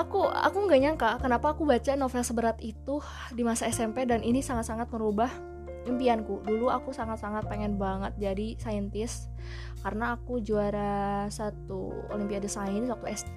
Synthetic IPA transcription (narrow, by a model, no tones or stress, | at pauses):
akua̰kuŋɡaɲaŋkakənapaːkubat͡ʃanofɛlsəbəɾat̪it̪u | dimasaɛsɛmpedaninisaŋat̪̚saŋat̪̚məɾubah | impiankuduluakusaŋat̪̚saŋat̪̚peŋɛnbaŋət̪̚d͡ʒadisaənt̪ɪs | kaɾənaːkud͡ʒuaɾasat̪ṵo̰limpiadəsainsak̚t̪uɛs